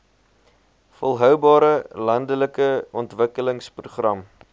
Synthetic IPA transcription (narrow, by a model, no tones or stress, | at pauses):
fɔlˠɦœwbɑːɾəlɐndələkəɔntvəkələŋspruχrɐm